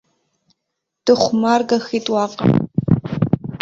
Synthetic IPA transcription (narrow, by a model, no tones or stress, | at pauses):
d̥ɨχʷmaːrɡɐxiːtʼwɑːqʼɐ̰